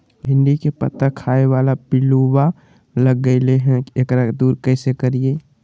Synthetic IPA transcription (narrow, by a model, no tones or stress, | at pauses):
ɦɪ̃nd̪ikepə̰t̪ːakʰaeʋaːlapɪluwa | ləɡːəɪleɦɛ̃ekɾad̪uːɾkɛɪsekəɾie